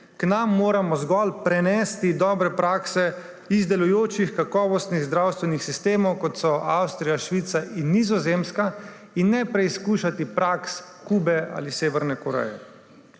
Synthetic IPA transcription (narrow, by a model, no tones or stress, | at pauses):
knamːoːɾamɔzɡɔlpɾɛnɛːst̪id̪ɔːbɾɛpɾaːksɛ | izd̪ɛlujoːt͡ʃixkakɔːʋɔst̪niɣzd̪ɾawst̪ʋɛnixsist̪eːmɔwkɔt̪sɔawst̪ɾijaʃʋit̪saʔinːizɔzeːmska | inːɛpɾɛiskuːʃat̪ipɾaks | kuːbɛa̰liseːʋɛɾnɛkɔɾɛ̰jɛ̰